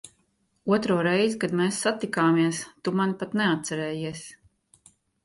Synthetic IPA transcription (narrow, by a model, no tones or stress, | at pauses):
uɔt̪ɾuːɾɛjzikad̪mɛːsːat̪ikaːmiɛst̪umanpat̪nɛat̪̚t̪sɛɾɛːjiɛsʲ